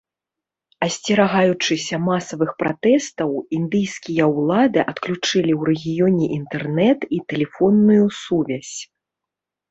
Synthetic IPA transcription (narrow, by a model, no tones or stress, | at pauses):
ɐsʲt͡sʲɛɾaɣajut͡ʂɨsʲɐmasɐvɨxpɾat̪ɛst̪ɐwind̪ɨjskʲijɐwlˠad̪ɨʔɐt̪klʲut͡ʂɨlʲiwɾɛɣʲijɔnʲɛʔint̪ɛrnɛt̪it̪ɛlʲɛfɔnːujusuvʲasʲ